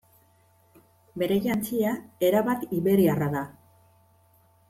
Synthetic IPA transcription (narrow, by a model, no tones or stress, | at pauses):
be̞ɾe̞ʝant͡siae̞ɾaβat̪iβe̞ɾiaraða